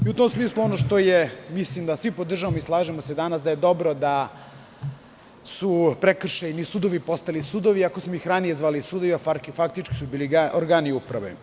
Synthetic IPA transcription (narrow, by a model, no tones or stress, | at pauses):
iut̪omsmiːslˠuonoʃt̪o̞jemislimd̪asʋipod̪r̩ʒaʋamoislˠaːʒemosed̪anas̬d̪ajed̪o̞bɾo̞d̪a | supɾekr̩ʃajinisuːd̪o̞ʋipo̞st̪alisuːd̪oʋiakosmoixɾanije̞zʋaːlisuːd̪oʋiaffak̚t̪it͡ʃki̥subiliɡaoɾɡaːniupɾa̰ʋḛ